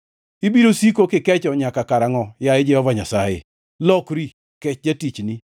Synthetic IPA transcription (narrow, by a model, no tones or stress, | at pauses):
ibiɾosikokɪkɛt͡ʃɔɲakakaɾaŋɔjaed͡ʒɛhɔvaɲasajḛ | lɔkɾi | kɛt͡ʃd͡ʒatit͡ʃni